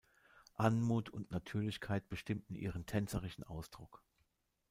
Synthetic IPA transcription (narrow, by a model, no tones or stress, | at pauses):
ʔanmuːtʰʊntnatʰyːɐlɪçkʰaɪt̚b̥əʃtɪmtn̩ʔḭːʁ̞əntʰɛnt͡səʁ̞ɪʃn̩ʔaʊsd̥ʁʊk